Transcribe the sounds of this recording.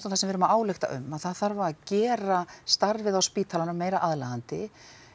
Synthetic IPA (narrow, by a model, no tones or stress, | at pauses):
t̪aw̪θɛsɛmvɪɾʏmaaːwlext̪a̰ʔʏ̰mːaðθaðθaɾvaɾacɛːɾast̪aɾvɪðawspiːt̪ʰalanʏmːeːjɾaʔaðlaɣant̪ɪ